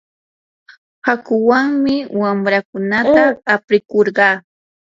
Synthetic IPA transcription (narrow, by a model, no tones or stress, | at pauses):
hakʊwaŋmɪwamɾakʊnat̪aːpɾɪkoɾɢɑː